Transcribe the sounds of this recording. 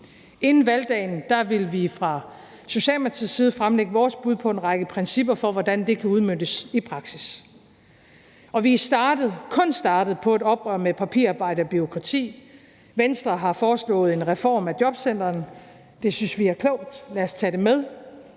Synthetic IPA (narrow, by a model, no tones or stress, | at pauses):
e̝nn̩ʋæld̥ɛ̰ːnd̥ɑ̈ʋe̝lʋifʁɑ̈ | so̝ɕɛ̰ːlmɑt͡sʰiðˠsiːð̞̩ˠfʁamleɡ̥əʋɒːsb̥uð̞̰ˠpʰɒ̽e̝nʁɑ̈ɡ̥əpʰʁɛnsib̥ɐfɒ̽ʋɒd̥ænd̥e̝kʰæuð̞ˠmønd̥əsipʰʁɑ̈ɡ̥sis | ɒ̽ʋisd̥ɑ̈ːd̥ð̩ˠkʰɔ̽nsd̥ɑ̈ːd̥ð̩ˠpʰɒ̽æɾɒ̽b̥ʁɶɐmepʰæpʰḭɐɑ̈ːb̥ɑ̈ɪ̰ɾɐɒ̽b̥yʁo̝kʰʁɑ̈t͡sʰḭː | ʋensd̥ʁɐɦɑ̈fɒːslɔ̰̽ːð̞̩ˠe̝nʁɛfɒ̰ːmæd̥jɒ̽b̥sen̰d̥ɐːn | d̥e̝synsʋiæɐkʰlɔʊ̰d̥læɐst͡sʰɛɾ̥emeð̞ˠ